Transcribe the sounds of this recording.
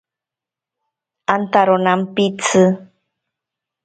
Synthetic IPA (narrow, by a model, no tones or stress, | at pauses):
ant̪aɾonampit͡sʰɨ